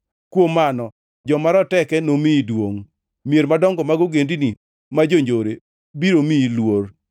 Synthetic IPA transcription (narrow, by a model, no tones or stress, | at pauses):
kwomːanɔ | d͡ʒɔmaɾɔtɛkɛnomidwoŋ | mieɾmadɔŋɡɔmaɡoɡendini | mad͡ʒoɲd͡ʒoɾe | biɾomilwor